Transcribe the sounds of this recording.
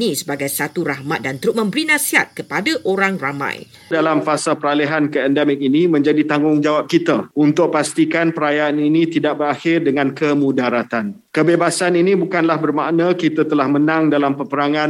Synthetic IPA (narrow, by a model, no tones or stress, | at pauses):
nisəbaɡajsat̪uɾahmat̪̚dant̪əɾʊt̪̚mə̃mbəɾinãsiɦa̰t̪̚kəpadaʔoɾaŋramã̰j | dalamfasapəɾaleɦankəɛndɛmɪk̚inimə̃ɲd͡ʒadit̪aŋɡʊŋd͡ʒawap̚kit̪aunt̪ʊk̚past̪ikanpəɾajaːninĩt̪idaʔ̚bəɾaxɪrdəŋãnkəmũdaɾat̪an | kəbebasaninĩbukanlahbərmaʔnakit̪at̪əlahmənãŋdalampəpəɾaŋãn